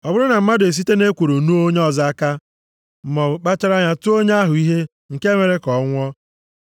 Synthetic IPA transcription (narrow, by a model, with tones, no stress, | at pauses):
ɔ˨bʊ˦ɾʊ˦na˨m̩˦ma˦de˨s̬i˦te˦ne˦kʷu˨ɾu˨nu˦o˦ɲe˦ɔ˨za˦a˦ka˦ | m̩˨mɔ˨k͡pa˦t͡ʃa˦ɾa˦ɲa˦tʊ˦o˦ɲe˦a˦ɦʊ˨i˦ɦe˦ | ŋ̩˨ke˦me˨ɾe˦kɔ˨˦ŋʷɔ˦